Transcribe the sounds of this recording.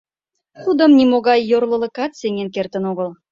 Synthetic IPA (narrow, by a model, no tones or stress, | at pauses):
χud̪ə̆mnimoɣɑjːorlˠɤ̆lɤ̆kɑt̪seŋenkert̪ə̆noɣə̆l